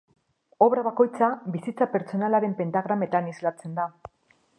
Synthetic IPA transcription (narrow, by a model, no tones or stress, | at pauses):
o̞βɾaβ̞ako̞jt͡sabisit͡sape̞ɾt͡so̞nalaɾe̞mpe̞nt̪aɣ̞ɾame̞t̪anizlat͡se̞nd̪a